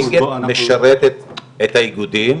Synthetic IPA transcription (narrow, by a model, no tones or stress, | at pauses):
ɡemeʃaɾet̪et̪ | et̪ajiɡud̪im